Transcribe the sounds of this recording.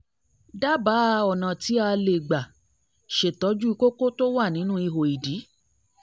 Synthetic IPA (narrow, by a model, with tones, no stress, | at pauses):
da˦ba˨˦˧ɔ˨nã˨ti˨˦a˧le˨ɡ͡ba˨ | ʃe˨tɔ˨˦d͡ʒu˦i˧ko˦ko˦to˦wa˦˨nĩ˨˦nũ˦i˧ɦo˨i˨di˨˦